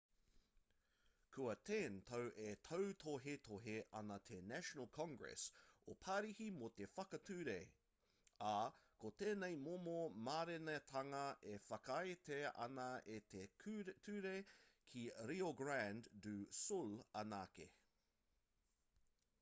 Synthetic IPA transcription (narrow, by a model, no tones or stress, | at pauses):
kʰuɐt̪ʰent̪ʰɐwʔet̪ʰowt̪ʰoɦet̪ʰoɦeʔɐnɐt̪ʰenæʃonəlˠkʰɔ̃ŋɡɹɛ̰sopʰaɾihimot̪efɐkɐt̪ʰʉːɾe | akʰot̪eːnejmomomaːɾenet̪ʰɐŋɐʔefɐkɐjet̪eɐ̰nɐʔet̪et̪ʰʉːɾekʰiɾioɡɹænddʉːsulɐnaːke